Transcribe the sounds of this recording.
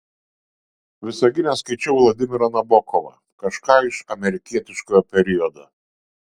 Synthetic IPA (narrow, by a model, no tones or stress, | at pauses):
ʋʲɪsɐɡʲɪnʲɛskɐɪt͡ʃʲɛʊlˠɐd̪ʲɪmʲɪɾɐnɐbɔkɔʋɐ̰ | kɐʃkɑːɪʃɐmʲɛɾʲɪkʲiɛt̪ʲɪʃkoːjɔpʲɛɾʲɪɔd̪ɐ